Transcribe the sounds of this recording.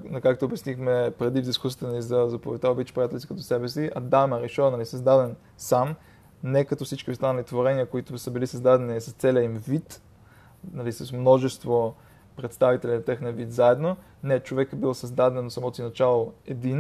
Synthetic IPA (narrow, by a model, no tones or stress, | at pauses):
nɐkakt̪oːbɛsnixmɛpɾɛd̪ivd̪iskusi̥t̪ɛnɐlizɐzɐpovɛt̪aobit̪t͡ʃpɾijat̪ɛlsikət̪ɔsɛbɛsiɐ̰d̪amɛɾɛʃɔnɐlisɐzd̪ad̪ɛn | sam | nɛkɐt̪ɔfsit͡ʃkʲiʊst̪anɐlit̪voɾɛniəkoit̪ʊsəbilisɐzd̪ad̪ɛnisɐst̪sɛlʲəimvit̪ | nɐlisɐsmnɔʒɛst̪vo | pɾɛt̪st̪avit̪ɛlinɐt̪ɛxnɛvit̪zaɛd̪no | nɛt͡ʃovɛkbilˠsɐzd̪ad̪ɛnosɐmɔt̪osinɐt͡ʃalˠoɛd̪in